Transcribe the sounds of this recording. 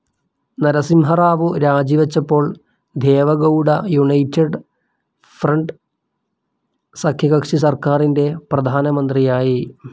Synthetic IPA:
nɐɾɐsimɦɐraːʋɨɾaːd͡ʑiʋɐt͡ɕːɐpːo̞ːɭ | d̪ʱe̞ːʋɐɡɐwɽɐjuɳɐjtːeɖ | frɐɳɖ | sɐkʰjɐɣɐkʂis̬ɐrkaːrinde̞prɐd̪ʱaːnɐmɐnd̪rijaːji

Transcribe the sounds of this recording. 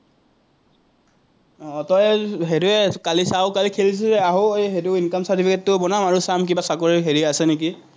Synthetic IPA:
ɔtɔjɦeduɛkalisaʊkalikʰelis̬ɛzɛaɦɔejɦeduinkamsatipʰikɛtːʊbɔnamaɹʊsamk̬ibasakoɹiɦeɹiasɛnek̬i

